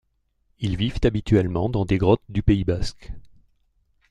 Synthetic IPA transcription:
ilvivt̪abit̪ɥɛlmɑ̃d̪ɑ̃d̪eɡʁɔt̪̚d̪ypeibask

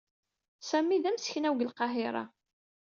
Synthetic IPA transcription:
sæmːiðæmsə̥çnæwɡəlqɑɦɪɾˤɑ̰

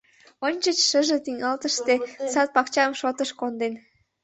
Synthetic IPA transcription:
onʲt͡ɕət͡ɕʃəʒet̪iŋɑlt̪əʃt̪esɑt̪̚pɑkt͡ɕɑmʃot̪əʃkond̪en

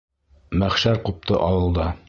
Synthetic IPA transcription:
mæχʃæɾqup̚t̪ʰɤʔɑwɤ̆lˠd̪ɑ

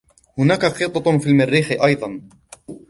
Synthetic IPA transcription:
hʊnaːkaqɨt̪ˤɑt̪ˤfiːlmɪrːiːxɪʔɑjd̪ˤɑn

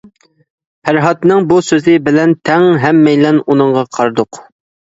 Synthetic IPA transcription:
hæɾɦɑt̪nɨŋbusøzɪbɪlɛnt̪ʰɛŋɦɛmːɛjlɛnunɨɴʁɑqʰɑɾd̪ʊq

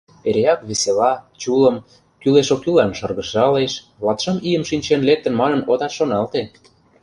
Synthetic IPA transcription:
eɾeɑkβeselɑt͡ɕulə̆m | kyleʃokylɑnʃɤrɣə̆ʃɑleʃ | βlɑt̪ʃɤ̆mijə̆mʃinʲt͡ɕenlek̚t̪ə̆nmɑnə̆nod̪ɑt̪ʃonɑlt̪e

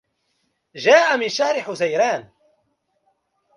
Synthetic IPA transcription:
ʒaːʔamɪnʃahɾɪħʊzajɾaːn

